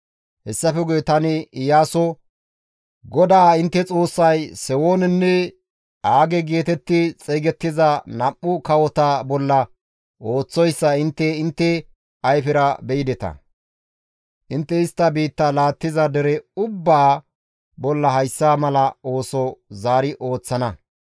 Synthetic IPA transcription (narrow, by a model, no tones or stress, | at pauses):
hɛsːɐfɛɡʊjɛt̪ɐnɪɪjaːsɔ | ɡɔd̪aːɪnt̪ːɛt͡sʼo̞ːsːɐjsɛwoːnɛnːɛ | aːɡɛɡeːt̪ɛt̪ːɪt͡sʼeːɡɛt̪ːɪzɐnɐʔːʊkɐwɔt̪ɐbɔlːɐ | o̞ːt͡sːɔjsːɐɪnt̪ːɛɪnt̪ːɛ | ɐjfɪɾɐbɛjɪd̪ɛt̪ɐ̰ | ʔɪnt̪ːɛɪst̪ːɐbiːt̪ːɐlaːt̪ːɪzɐd̪ɛɾɛʊbːaː | bɔlːɐɦɐjsːaːmɐlɐo̞ːsɔzaːɾɪʔo̞ːt͡sːɐnɐ